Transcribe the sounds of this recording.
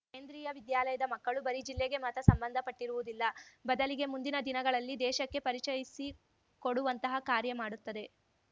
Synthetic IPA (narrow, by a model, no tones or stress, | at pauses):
keːnd̪ɾiːjɐʋid̪jaːlɐjɐd̪ɐmɐkːɐɭubɐɾid͡ʒilːeɡe̞mɐt̪ɐsɐmbɐnd̪ʱɐpɐʈːiɾuʋud̪ilːɐbɐd̪ɐliɡe̞mund̪inɐd̪inɐɡɐɭɐlːid̪ɛːʃɐkːe̞pɐɾit͡ʃɐjisi | koɽuʋɐnt̪ɐɦɐkaːɾjɐmaːɽut̪ːɐd̪e̞